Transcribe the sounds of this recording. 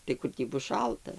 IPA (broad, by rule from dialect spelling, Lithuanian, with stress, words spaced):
tɐɪ ˈkʊr tʲiː ˈbʊs ˈʃɐlˠtɐ